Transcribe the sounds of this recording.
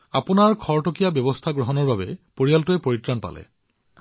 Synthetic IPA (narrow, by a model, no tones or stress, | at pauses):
a̰pʊnaɹkʰɔɹʈokijabjɔbɔst̪ʰaɡɹɔɦɔnɔɹbabɛpoɹijaltʊɛpoɹitɹanpa̰lɛ̰